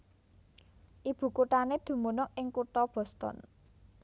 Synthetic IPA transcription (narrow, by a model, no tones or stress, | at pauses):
ʔib̥ṳkuʈaned̪̥ṳmunɔʔʔɪŋkuʈɔb̥ɔ̤st̪ɔ̰n